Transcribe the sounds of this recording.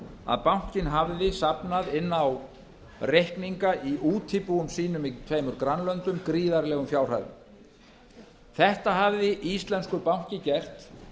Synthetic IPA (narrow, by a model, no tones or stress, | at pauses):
a̰ðpawŋ̥cɪnɦavðɪsapnaðɪnːaw | rehkniŋkaʔiʔuːt̪ʰipuʏmsiːnʏmit̪ʰvejmʏɾkɾanlœnt̪ʏmkɾiːðaɾlɛːɣʏmfjawr̥a̰jðʏ̰m | θɛht̪aɦavðɪʔist̪lɛnskʏɾpawɲ̥cɪcɛr̥t̪